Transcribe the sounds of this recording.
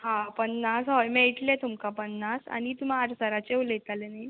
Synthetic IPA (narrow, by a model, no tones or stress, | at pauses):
ɦãpənːasɦɔjmeɭʈlet̪umkapənːasa̰nit̪um̤aaɾsəɾat͡ɕewlət̪alenaj